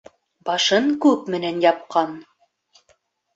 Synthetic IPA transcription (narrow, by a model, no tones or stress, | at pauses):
bɑʃɤɴkʉpmɘ̆nænjɑp̚qɑn